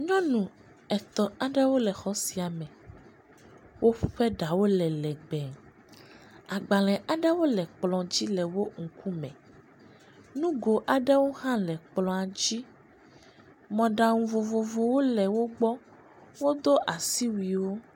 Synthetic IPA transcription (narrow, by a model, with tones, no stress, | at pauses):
ɲɔ̃˦nũ˨ | ɛ˨t̪ɔ˨a˨ɖɛ˦wo˦lɛ˨xɔ˨si˨a˨mɛ̃˨ | wʔo˦ɸu˦ɸɛ˦ɖa˨wo˦lɛ˨lɛ˨ɡ͡bɛ˨ | a˨ɡ͡ba˨lɛ̃˨ʔa˨ɖɛ˦wo˦lɛ˨k͡plɔ̃˨d͡ʑi˦lɛ˨wo˦ŋ̩˨ku˦mɛ̃˨ | nũ˦ɡo˨ʔa˨ɖɛ˦wo˦hã˦lɛ˨k͡plɔ̃˨a˨d͡ʑi˦ | mɔ̃˨ɖa˨ŋũ˨vo˨vo˨vo˨wo˦lɛ˨wo˦ɡ͡bɔ˦ | wo˦d̪o˦ʔa˨si˦wi˨wo˦